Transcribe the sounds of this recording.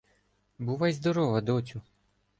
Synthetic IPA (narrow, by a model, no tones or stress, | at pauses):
buʋajzd̪ɔɾɔʋɐd̪ɔt͡sʲʊ